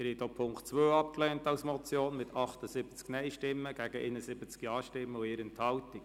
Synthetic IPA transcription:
ɾhɛtopʰʊŋktt͡sʋøːɑp̚klɛːntɑwsmɔt͡sjoːnmɪtʰɑχtəzɪb̥ət͡sknɛɪʃtɪmːəɡ̥æɡəʔḛnəsɪbət͡skjɑːʃtɪmːəʊɪɾənthɑltɪk

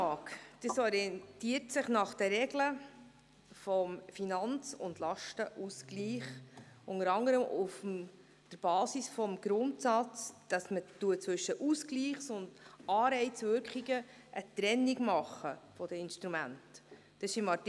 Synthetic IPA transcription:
ɑːkd̥əsɔɾiɛnt̪iəɾtsɪχnɑχd̥əɾɛɡlə | fɔmfinɑnt͡sʊ̰ndlɑʃtəʔuskliːχʊŋəɾɑŋəɾəmʔufm | d̥əɾb̥ɑːsisfɔmɡ̥ɾʊntsɑt͡sd̥ɑsmətuət͡sʋɵʃːəʔuskliːχsʊnd̥ɑːɾɛɪtt͡sʋʏɾkχiɡə | ʔət̪ɾɛnːiɡmɑχːəfɔd̥əɪnʃtɾumæntː | ɑɪʃɪmɑt

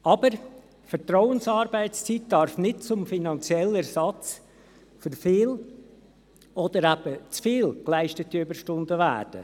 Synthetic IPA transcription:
ɑb̥əɾ | fəɾtɾɔʊənsɑːɾbæɪt͡st͡sit̚d̥ɑɾfnɪt̚t͡sʊmfinɑnt͡sjɛlɛɾsɑt͡s | fʏɾfɪːl | ɔd̥̪əɾæb̥ət͡sfiːlklæɪʃtətiybəɾʃtʊndəvæ̰ːrd̥ə̰

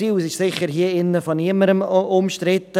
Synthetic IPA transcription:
iːsɪʃsɪçəɾɦiːəɪnːəfɔniəməɾəmʊmʃtɾɪt̪ə

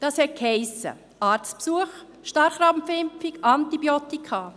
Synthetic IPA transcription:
d̥ɑːshɛt̚khɛɪsə̰ | ɑːɾt͡spsuəχ | ʃtɑɾχɾɑmfɪmpfikɑntibjot̪ikʰɑː

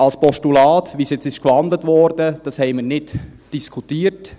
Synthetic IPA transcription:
ɑlspɔʃtulɑːtvʋiːsjɛt͡sɪʃkvɑndlətʋɔɾdəd̥ɑshɛɪmiːɾnɪt | d̥iskʰutiːət

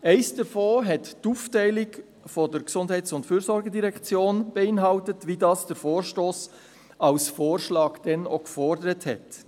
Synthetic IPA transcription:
ɛɪsd̥əfoːɦɛttuːftɛɪlɪk | fɔdəɾksʊndɦɛɪt͡sʊntfyːɾsɔɾɡədiɾɛkt͡sjoːnb̥əɪnɦɑltətʋidɑːsd̥əɾfoːɾʃtoːs | ɑlsfoːrʃlɑːɡd̥ɛnokfɔrdəɾəthɛ̰t

